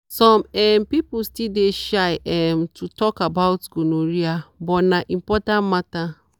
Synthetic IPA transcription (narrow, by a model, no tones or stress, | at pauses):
sɔmɛmpipustildeʃaɪɛmtʰutɔkabaʊtɡonoɾiabɔnaʔĩmpɔtãnmata